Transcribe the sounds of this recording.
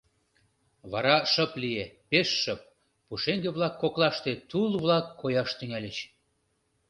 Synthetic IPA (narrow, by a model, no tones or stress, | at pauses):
βɑɾɑʃəplijepeʃːəp̚ː | uʃeŋɡeβlɑkːoklɑʃt̪et̪ulβlɑkːojɑʃt̪yŋælʲet͡ɕ